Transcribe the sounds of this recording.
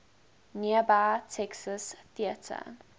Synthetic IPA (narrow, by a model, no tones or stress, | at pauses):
niəbatʰɛksəsθiətʰə̰